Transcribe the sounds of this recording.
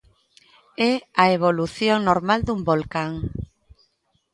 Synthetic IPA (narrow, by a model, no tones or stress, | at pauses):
ɛaeβoluθjoŋnoɾmald̪umbolkaŋ